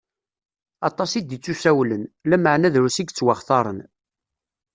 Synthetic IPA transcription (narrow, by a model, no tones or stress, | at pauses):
ɑt̪ˤɑsid̪it͡sːusæwlənlæməʕnæðɾusiɡt͡sːwaχθɑɾˤən